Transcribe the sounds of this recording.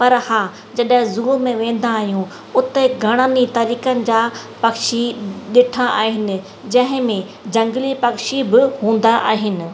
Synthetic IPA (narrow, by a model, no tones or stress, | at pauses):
pɐɾhãː | d͡ʑɐɗɦɪ̃zʊlomẽʋẽːn̆d̪aːɦijũ | ʊt̪eɡʱɐɽ̃aːnit̪ɐɾiːkənɪ̆d͡ʑaːpɐkʃiɗɪʈʰãʔa̰ːɦɪnɪ̆ | d͡ʑɐ̃ɦɪ̃mẽ | d͡ʑɐ̃ŋɡlipɐkʃibɪhũːnd̪aʔa̰ːɦɪnɪ̆